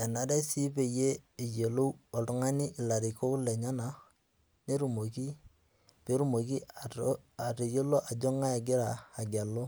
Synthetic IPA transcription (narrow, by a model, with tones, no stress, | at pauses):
ɛ˨na˦da˦si˦pe˨jeː˦˨je˨lo˦wɔ˨tʊ˦ŋa˦ni˦ʔɪ˨la˨ɾɪ˨ko˦lɛ˨ɲa˦na˨ | ne˦ɾu˨mo˨ki˦ | pe˦ɾu˦mo˨k̬i˦ | a˨ɾe˨je˦lo˦ʔa˨d͡ʒo˦ŋa˦ja˨ɡɪ˦ɾaː˨ɡa˨lo˦